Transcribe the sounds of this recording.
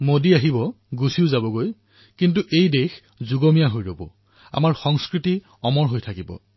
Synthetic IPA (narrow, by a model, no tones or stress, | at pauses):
modiaɦibɔ | ɡusiʊzabɔɡoj | kintuʔejdex | zuɡɔmijaɦojɹobɔ̰ | a̰maɹxɔŋskɹiti | ɔmɔɹɦojtʰakibɔ̰